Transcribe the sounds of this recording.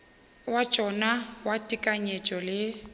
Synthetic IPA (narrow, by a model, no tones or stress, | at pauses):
wḁt͡ʃʼɔnawatʼikʼaɲet͡ʃʼɔlɪ